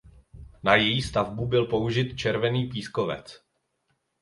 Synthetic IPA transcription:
najɛjist̪avbubɪlpo̞uʒɪt̪t͡ʃɛɾvɛniːp̬iːskovɛ̰t͡s

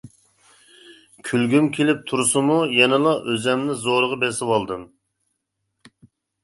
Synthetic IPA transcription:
kʲʰylɡʲymkʲʰelɪp̚t̪ʰuɾsumujɛnɛlˠɑʔøzɛmnɪzoɾəʁɑbɛsɪwɑlˠd̪ɨm

